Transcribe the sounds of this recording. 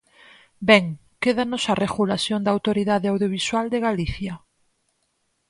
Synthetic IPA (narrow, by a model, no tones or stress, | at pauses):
bɛŋ | keðanosareɣulasjond̪awt̪oɾiðaðeawðjoβ̞iswald̪eɣaliθja